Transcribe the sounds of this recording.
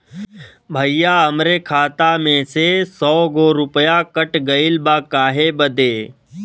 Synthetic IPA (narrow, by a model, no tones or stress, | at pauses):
bʱəijaːəmɾeːkʰaːt̪aːmẽːsesɔːɡoːɾʊpjaːkəʈɡəɪlbaːkaːɦeːbəd̪eː